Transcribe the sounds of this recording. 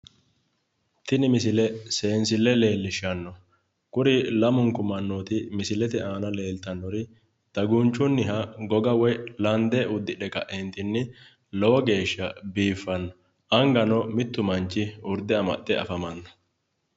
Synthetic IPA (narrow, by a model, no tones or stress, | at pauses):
t̪ɪnɪmɪsɪlɛse̞ːnsɪlːɛle̞ːlːɪʃɐnːɔ | kʊɾɪlɐmʊŋkʊmɐnːoːt̪ɪmɪsɪlɛt̪ɛaːnɐle̞ːlt̪ɐnːɔɾɪ | t̪ɐɡunt͡ʃːʊnːɪɦɐɡɔɡɐwɔjlɐnd̪ɛʊd̪ːɪᶑɛkɐʔent̪ɪnːɪ | lɔwɔɡe̞ːʃːɐbiːfːɐnːɔ | ʔɐŋɡɐnɔmɪt̪ːʊmɐnt͡ʃːɪʊɾd̪ɛɐmɐ̰ʔːɛɐ̰fɐmɐnːɔ̥